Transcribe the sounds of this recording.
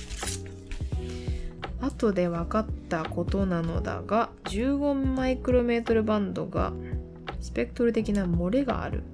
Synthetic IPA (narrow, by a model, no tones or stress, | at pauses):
at̪o̞d̪e̞βakat̪ːako̞t̪o̞nano̞̰d̪a̰ɡa | d͡ʑɨːɡo̞mmaikɯɾome̞ːt̪o̞ɾɯ̟bãnd̪o̞̰ɡa̰ | sɨ̥pe̞kɯ̟t̪o̞ɾɯ̟t̪e̞kʲinamo̞ɾe̞ɡa̰ːɾɯ̟̰